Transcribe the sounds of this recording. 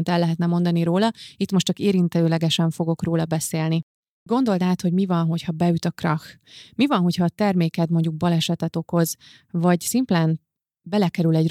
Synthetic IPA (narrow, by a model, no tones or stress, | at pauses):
nt̪ɛlːɛɦɛt̪nɛmo̞nd̪ɒniɾoːlɒit̪mo̞ʃt͡ʃɒkeːɾint̪ɛøːlɛɡɛʃɛɱfo̞ɡo̞kroːlɒbɛseːlni | ɡo̞nd̪o̞lt̪aːt̪ho̞ɟmivɒnɦo̞chɒbɛjyt̪ɒkrɒx | mivɒnɦo̞chɒːt̪ɛrmeːkɛt̪mo̞ɲɟuɡ̚bɒlɛʃɛt̪ɛt̪o̞ko̞z | vɒɟsimplɛn | bɛlɛkɛɾylɛɟr